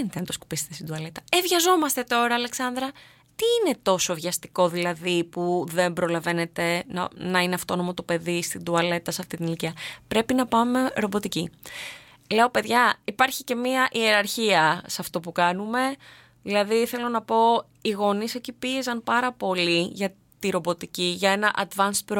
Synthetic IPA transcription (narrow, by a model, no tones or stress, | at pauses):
enit̪enɐt̪osku̥pise̥t̪esid̪uɐle̞t̪ɐevʝɐzo̞mɐst̪e̞t̪o̞ɾɐːle̞ksɐnd̪ɾɐ | t̪iːne̞t̪o̞so̞vʝɐst̪i̥ko̞ðilɐðipuðe̞mbɾo̞lɐve̞ne̞t̪e̞nɐ̰nɐineɐft̪o̞no̞mot̪upe̞ðist̪ind̪uɐle̞t̪ɐsɐft̪it̪iniliciɐpɾe̞pinɐpɐme̞ɾo̞bo̞t̪ici | le̞o̞pe̞ðʝɐipɐɾçice̞miɐʔie̞ɾɐɾçiɐsɐft̪o̞pukɐnume̞ | ðilɐðiθe̞lo̞nɐpo̞ | iɣo̞nise̞cipie̞zɐnpɐɾɐpo̞liʝɐ | t̪iɾo̞bo̞t̪iciʝɐe̞nɐʔɐd̪vɐnspɾ